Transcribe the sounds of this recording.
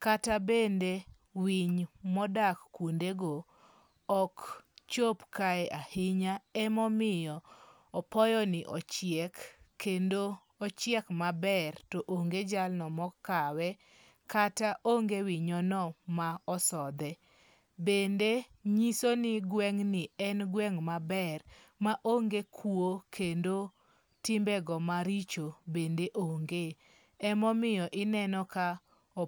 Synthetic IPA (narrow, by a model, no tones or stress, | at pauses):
katabende | wiɲmɔdakːwondeɡo | ɔkt͡ʃopkaɛʔahɪɲaɛmɔmɪjɔː | pɔjɔnɪʔɔ̰t͡ʃjɛkːendoː | t͡ʃjɛkmabɛrtɔʔoŋɡed͡ʒalnɔmɔkːawɛ | kataʔoŋɡewiɲɔnɔmaɔsɔd̪ɛ | bendeɲisonɪɡwɛŋnɪɛnɡwɛŋmabɛr | maʔoŋɡekʰwokʰendo | tɪmbɛɡɔmaɾit͡ʃobendeʔoŋɡe | ɛmɔmɪjɔʔɪnɛnɔka